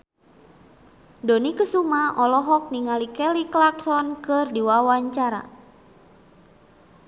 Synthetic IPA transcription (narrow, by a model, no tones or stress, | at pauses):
donikəsumaʔɔlɔɦɔk̚niŋalikɛliklak̚sɔnkɨrdiwawaɲt͡ʃaɾa̰